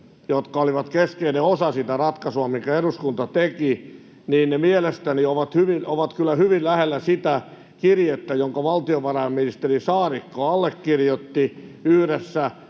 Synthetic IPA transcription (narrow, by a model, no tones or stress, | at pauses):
jot̪kɑoliʋɑt̪keskeineosɑsit̪ærɑt̪kɑsuɑmiŋkæeɾuskunt̪ɑt̪eki | niːnnemielest̪ænioʋɑt̪hyʋinʔoʋɑt̪kylːæhyʋillæhelːæsit̪æ | kirjet̪ːæjoŋkɑʋɑlt̪ioʋɑrɑemminist̪erisɑːɾikːoɑlːekːirjot̪ːiyhɾesːæ